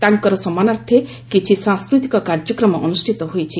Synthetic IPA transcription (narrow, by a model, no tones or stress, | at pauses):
t̪aŋkɔɾɔsɔmanaɾt̪ʰe | kit͡ʃʰisãŋskɾut̪ikɔkaɾd͡ʒɔkɾɔmɔʔɔnusʈʰit̪ɔɦojt͡ʃʰi